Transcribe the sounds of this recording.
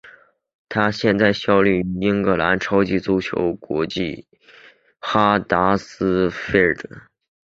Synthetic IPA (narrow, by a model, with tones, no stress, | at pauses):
t̪ʰa˥ɕjɛ˥˧nt͡sa˥˩ɪɕjɑ˥ʊli˥˩y˧˥i˥ŋkɤ˧˥la˧˥nʈ͡ʂʰɑ˥ʊt͡ɕi˥t͡su˥t͡ɕʰjo̰˧˥ʊkwɔ̰˧˥t͡ɕi˥˩ | xa˥t̪a˧˥sɹ̩˥fe˥˩d̪ə˨˩